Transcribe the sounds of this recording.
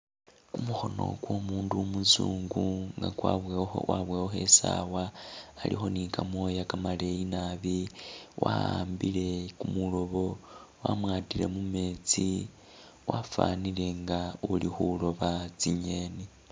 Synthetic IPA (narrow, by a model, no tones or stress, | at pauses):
kumuxo̞no̞̰kwo̞muːnduomuzuːŋɡuŋɡakwaβwaβweːxoxe̞sawaːlḭxo̞nikamo̞jakamale̞jinaβiwa̰aːmbile̞kumulo̞βo̞wamwaːtile̞̰mume̞ːt͡si | wafanile̞ŋɡaulixulo̞βat͡siɲeni